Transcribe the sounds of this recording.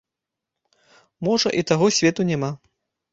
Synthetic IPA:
mɔʐɐʔit̪aɣɔsʲvʲɛt̪unʲɛma

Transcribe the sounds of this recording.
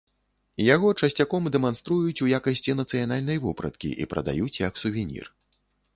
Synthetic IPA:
jaɣɔt͡ʂɐsʲt͡sʲakɔmd̪ɛmanst̪ɾujut͡sʲujakɐsʲt͡sʲinɐt̪sɨjanalʲnɐjvupɾɐ̰t̪kʲḭʔḭpɾɐ̰d̪a̰jut͡sʲjɐksuvʲinʲḭr

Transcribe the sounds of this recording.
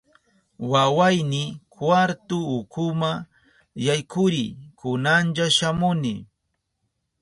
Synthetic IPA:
wawajnɪkwaɾt̪ʊːkʊma | jajkʊɾikʊnanʎaʃamʊnɪ

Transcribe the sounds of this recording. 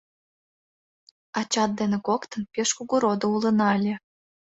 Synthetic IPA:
ɑt͡ɕɑt̪̚d̪enekokt̪ənpeʃkuɣuɾod̪oulənɑlʲe

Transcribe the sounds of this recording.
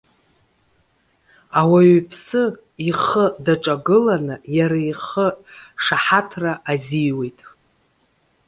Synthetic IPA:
awaɥpʰsɨ | iχədaʈ͡ʂʼaɡɨlanɨjaɾaiχəʂaħatʰraʔazijwe̞jtʼ

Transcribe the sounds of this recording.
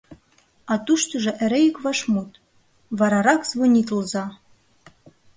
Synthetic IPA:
ɑt̪uʃt̪oʒɤ̆ʔĕɾejikβɑʃmut̪ | βɑɾɑɾɑkzβonʲit̪əlzɑ

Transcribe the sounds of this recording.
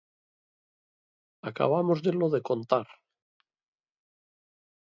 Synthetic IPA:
aka̰β̞amozðeloðe̞ko̞nt̪aɾ

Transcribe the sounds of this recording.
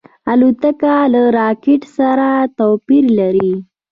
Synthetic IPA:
alut̪əkalaɾɑkɪʈsaɾat̪opiɾlaɾi

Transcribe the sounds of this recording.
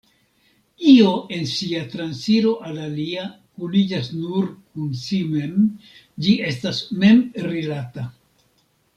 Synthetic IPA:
io̞ʔe̞nsiatɾansiɾo̞ʔalalia | kulid͡ʒasnuɾkunsime̞m | d͡ʒie̞stasme̞mɾilata

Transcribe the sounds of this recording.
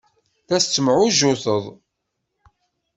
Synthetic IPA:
θæst͡sːəmʕʊʒʊθəðˤ

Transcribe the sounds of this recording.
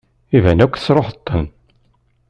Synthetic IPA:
ivænækʷːθə̥sɾˤoħət̪ˤːən

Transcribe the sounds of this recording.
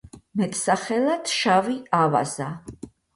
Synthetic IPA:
mɛt̪ʰʼsaχɛlˠat̪ʰʃaviava̰za

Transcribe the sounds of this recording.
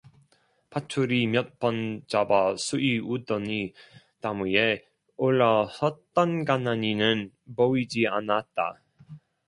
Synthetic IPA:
pʰatʰuɾimjʌt̚p͈ʌnd͡ʑabasʰuʔiudʌni | tamuje | oɭːasʌt͈ʌnɡanaɲinɯn | poid͡ʑia̰nat̚t͈a̰

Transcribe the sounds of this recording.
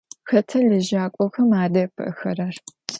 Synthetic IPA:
xɐtʰɐlɨʒaːkʷʼɔxɐmaːdɐpʰɨ̰ʔxɐɾɐr

